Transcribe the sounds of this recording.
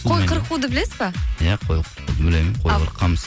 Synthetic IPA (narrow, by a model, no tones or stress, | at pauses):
ojqʰəɾqːud̪əbɪlesɪbɑjaqʰojqʰəɾud̪əbɪlejmɪnqʰojʁəɾqʰːɑms